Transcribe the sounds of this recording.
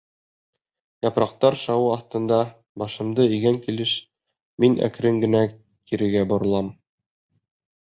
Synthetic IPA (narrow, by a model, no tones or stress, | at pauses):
jɒpɾɑq̚t̪ɑɾʃɑwɤɑθt̪ɤ̆nd̪ɑ | bɒʃɤ̆md̪ɤiɡæŋkilɘʃ | minʔæ̰kɾɘŋɡɘ̆næ | kiɾɘ̆ɡæbŏɾɤ̆lˠɑm